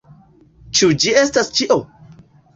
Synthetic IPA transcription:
t͡ʃud͡ʒiestast͡ʃiʔo

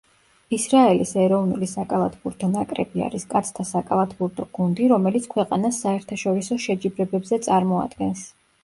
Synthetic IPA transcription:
isɾaɛlisɛɾɔvnṵlisakʼalˠat̪ʰbuɾt̪ʰɔnakʼɾɛ̰bia̰ɾiskʼat̪sʰt̪ʰasakʼalˠat̪ʰbuɾt̪ʰɔɡ̥und̪iɾɔmɛlit̪sʰkʰwɛqʼanasːaɛɾt̪ʰaʃɔɾisɔʃɛd͡ʒibɾɛbɛbzɛt̪sʼaɾmɔa̰d̪ɡɛns

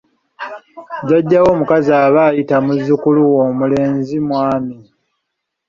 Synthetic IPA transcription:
ɟaɟːawo̞ːmukazaːβaːjitamuzikuluwo̞ːmule̞ːnzimwaːmi

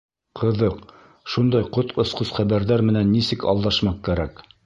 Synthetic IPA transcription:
qʰɤ̆ðɤq | ʃund̪ɑjqot̪ŏsqosχæβæɾðæɾmɘ̆nænːisɘkɑ̰lˠd̪ɑʃmɑq̚kæɾæk

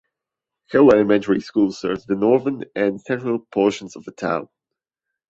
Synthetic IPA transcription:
hɪlˠɛlˠəmɛ̃ntʰəɹiskulˠz̥sɜ̰˞vzðɨnɔɹðə̃nɨ̃nsɛ̃ntɹəlˠpʰɔɹʃə̃n̩zʌvðətʰã̰ʊ̃n

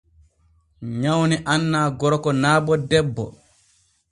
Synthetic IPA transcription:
ɲawniʔanːaːɡɔɾɔkɔnaːbɔdɛbːɔ̰

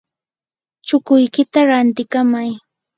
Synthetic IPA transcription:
t͡ʃʊkʊjkɪt̪aɾant̪ɪkamaj

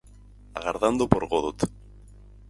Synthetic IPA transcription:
a̰ɣaɾðand̪opoɾɣoðot̪

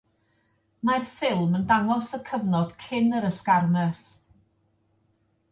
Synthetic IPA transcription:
marfɪlˠməndaŋɔsəkʰəvnɔd̥kʰɪnəɾəskarmɛs

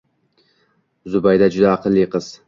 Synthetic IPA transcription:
zʊbajd̪ad͡ʒʊd̪aːqʰɨlˠːiqɨz̥

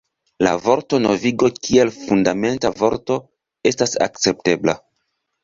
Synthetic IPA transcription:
la̰vo̞ɾto̞no̞viɡo̞kie̞lfundame̞ntavo̞ɾto̞ | e̞stasa̰k̚t͡se̞p̚te̞bla

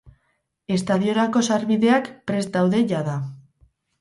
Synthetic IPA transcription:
e̞st̪aðio̞ɾako̞saɾβiðe̞akpɾe̞sd̪awðe̞ʝaða

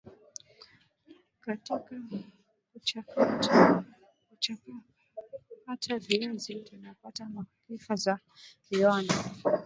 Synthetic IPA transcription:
katika | kut͡ʃakata | kut͡ʃaka | katʰaviazitunapatamalifaza | iana

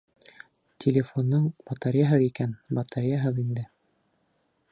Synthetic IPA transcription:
t̪ʲʰelʲɪfonːɤɴbɑt̪ɑɾʲjaɦɤðikænbɑt̪ɑɾjaɦɤðind̪ɘ

